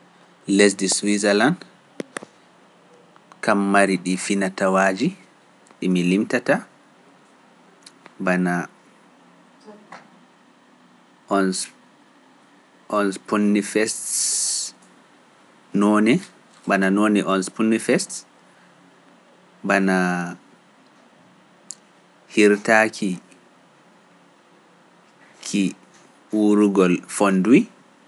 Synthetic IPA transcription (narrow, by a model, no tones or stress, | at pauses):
lɛs̬diswizɛland | kamːaɾiɗifinatawaːd͡ʒi | ɗimilimtata | bana | ɔns | ʔɔnspunːifɛst | nɔːnɛ | bananɔːnɛʔɔnspunːifɛst | bana | hiɾtaːkʰi | kʰi | wuɾuɡɔlfonduwi